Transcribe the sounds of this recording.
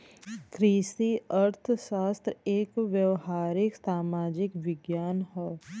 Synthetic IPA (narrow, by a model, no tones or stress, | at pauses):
kɾiːʃiəɾt̪ʰʃaːst̪ɾeːkʋjəwɦaːɾɪksaːmaːd͡ʒɪkʋɪɡjaːnɦɛː